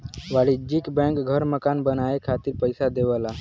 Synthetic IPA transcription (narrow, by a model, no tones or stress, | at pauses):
ʋaɽid͡ʑiːkbɛ̃kɡʱəɾməkanbənaekʰat̪iːɾpəjsad̪eʋəla